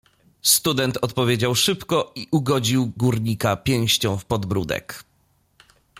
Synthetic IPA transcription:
st̪ud̪ɛnt̪ɔt̪pɔvʲjed͡ʑawʂɘpkɔiʔuɡɔd͡ʑiwɡuɾɲikapʲjɛ̃w̃ɕt͡ɕɔ̃w̃fpɔd̪bɾud̪ɛ̰k

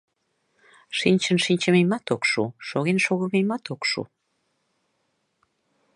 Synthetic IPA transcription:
ʃinʲt͡ɕənʃinʲt͡ɕəmejmɑt̪okʃṵʃoɣenʃoɣəmejmɑt̪okʃṵ

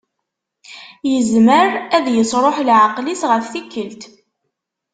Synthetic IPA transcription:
jəzməɾæðjəsˤɾˤoħlʕaqlisʁəθθikːəlt̪

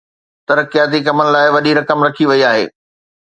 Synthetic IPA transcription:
t̪ɐɾkijaːt̪̬ik̬ɐmənɪ̆laːɪʋɐɗiɾɐkəmɾɐkʰiʋɐiaːɦḛː

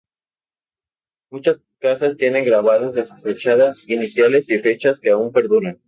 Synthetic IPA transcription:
mut͡ʃas | kasast̪je̞ne̞ŋɡɾaβaðozðesu̥sfet͡ʃaðasinisjale̞sife̞t͡ʃaskeaumpe̞ɾðuɾan

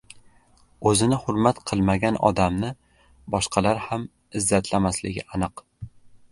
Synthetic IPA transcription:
ɵzɪnɪhʊɾmat̪qʰɨlˠmaɡʲanɒ̰d̪amnɪ | bɒʃqʰɑlaɾham | ɪzːat̪ʰlamaslɪɡʲɪanɨq

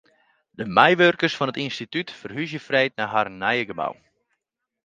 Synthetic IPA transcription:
dəmɛjʋørkərsfɔnətinstitytfərɦysjəfrɛjtnaɦarnajəɡəma̰w

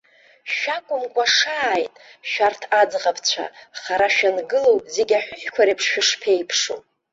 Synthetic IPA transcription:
ʃᶣakʷʼʊmkʷʼaʂaːjtʼʃᶣartʰad͡zʁapʰt͡ɕʷʰa̰χaɾaʃᶣanɡɨlowzeɡʲaħʷᶣʊħᶣkʷʰaɾepʰʂʃᶣɪʂpʰejpʰʂo̰

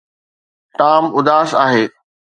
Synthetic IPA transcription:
ʈaːmʊd̪aːsaːɦeː

